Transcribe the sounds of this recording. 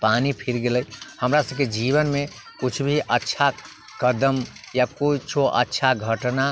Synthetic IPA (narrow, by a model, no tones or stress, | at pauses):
panipʰiɾɡeləjhəmɾasəbked͡ʒiβənme | kut͡ʃʰbʱiʔətːʃʰa | kəd̪əmjakoit͡ʃʰoʔə̰tːʃʰaɡʱəʈna